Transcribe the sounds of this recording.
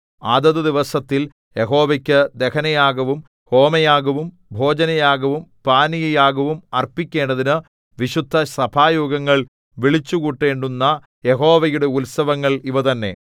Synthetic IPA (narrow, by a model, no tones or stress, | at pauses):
aːd̪ɐðɐd̪iʋɐsɐt̪ːil | je̞ɦo̞ːʋɐkʲːɨd̪e̞kʰɐnɐjaːɡɐʋum | ho̞ːmɐjaːɡɐʋum | bʱo̞ːd͡ʑɐnɐjaːɡɐʋumpaːnijɐjaːɣɐʋumɐrpikʲːe̞ːɳɖɐðinɨ | ʋiɕud̪ʱːɐsɐbʱaːjoːɡɐŋːɐɭ | ʋiɭit͡ɕːukuʈːe̞ːɳɖunːɐ | jeɦo̞ːʋɐjuɽe̞ulsɐʋɐŋːɐɭiʋɐt̪ɐnːe̞̰